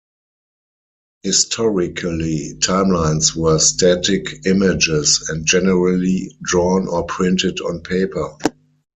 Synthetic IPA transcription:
hɪstʰɔɹɪkʰəlitʰãɪ̃mlãɪ̃nswɜːstʰætɪkʰɪmɪd͡ʒɪsɛ̃nt̚d͡ʒɛnəɹəlidɹɔ̃nɔːpʰɹɪ̃ntɪdɔ̰̃npʰeɪpʰə˞

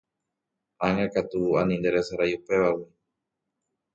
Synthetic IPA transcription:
aŋakat̪uuanindɛɾɛsaɾajupɛwawu

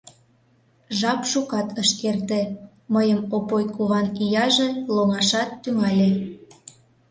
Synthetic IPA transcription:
ʒɑpʃukɑt̪ʰəʃkert̪ĕ | məjəmopojtkuβɑnijɑʒĕloŋɑʃɑt̪ːyŋɑlʲe

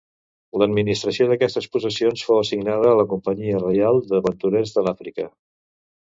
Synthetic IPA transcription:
ləd̪minist̪ɾəsioðəkɛst̪əspusəsionsfowəsiɡnað̞əːləkumpəɲiərəjalˠd̪əβənt̪uɾezðəlafɾikə

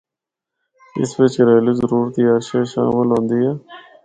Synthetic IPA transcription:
ɪ̰sʋɪt͡ʃɾeːliːzəɾuːɾət̪iaʃaːʃa̰ːmɪlɦõːnd̪iːɦɛː

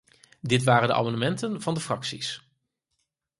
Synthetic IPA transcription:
dɪtʋaːɾəndə̰ʔa̰mɑndəmɛntənv̥ɑndəfrɑksis

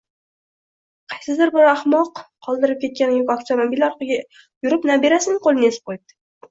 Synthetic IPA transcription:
qʰɑjsɪd̪ɪɾbɪɾaχmɒqʰː | ɒlˠd̪ɪɾɪp̚kʲe̞t̪̚kʲanɪjʊkʲɒkt̪ʰomobilɒɾqʰɑɡʲa | jʊɾɪpnabe̞ɾasɪnqʰolˠɪnesɪp̚qʰojb̚d̪̥ɪ̥

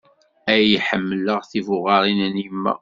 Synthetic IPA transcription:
æjiħəmːələʁθivʊʁɑɾˤinənimːæ̰

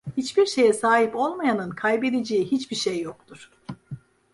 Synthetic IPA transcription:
hit͡ʃbiɾʃe̞jɛsaːɦipo̞lˠmajanɯnkʰajbe̞d̪ed͡ʒejiɦit͡ʃbiɾʃejːo̞k̚t̪ʰuɾ̥

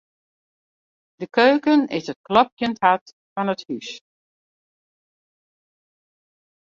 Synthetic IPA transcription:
d̥əkøːkənɪ̰sət̚klɔp̚jənthat | fɔnəthys

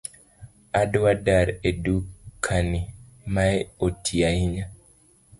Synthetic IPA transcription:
adwadaɾedukʰːanimajotʰiaiɲa

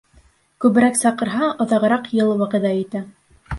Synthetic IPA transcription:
kʉβɘ̆ɾæksɑqɤ̆ɾɦɑʔŏðɑʁɤ̆ɾɑqjɤlˠwɑqɤ̆d̪ɑit̪æ

